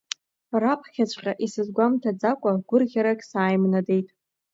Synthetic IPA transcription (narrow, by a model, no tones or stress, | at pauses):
rapʰχʲat͡ɕʷʰʼqʲʼaʔisɨzɡʷamtʰad͡zakʷʼaɡʷʊrʁʲaɾakʲʼsaːjmnade̞jtʼ